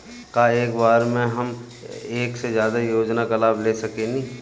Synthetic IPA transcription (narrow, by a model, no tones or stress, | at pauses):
kaeːkbaːɾmẽɦɐm | eːksezjaːd̪ajoːd͡ʒnakɐlaːbleːsɐkenĩ